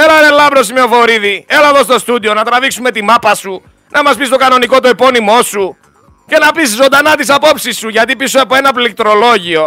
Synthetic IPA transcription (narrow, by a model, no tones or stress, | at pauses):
elɐɾelɐbɾosimeovoɾiðielɐðo̞st̪o̞st̪ud̪io̞nɐt̪ɾɐviksume̞t̪imɐpɐsu | nʔɐmɐspist̪o̞kɐno̞niko̞t̪uepo̞nimo̞su | ce̞nɐpiszond̪ɐnɐt̪isɐpo̞psisːuʝɐt̪ipisoepoe̞nɐplik̚t̪ɾo̞lo̞ʝio̞